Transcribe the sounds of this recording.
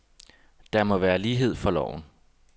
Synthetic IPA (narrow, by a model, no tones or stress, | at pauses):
d̥ɑmɒ̽ʋæːɐliːɦe̝ð̞̰ˠfɒ̽lɒ̰ʊ̰n̩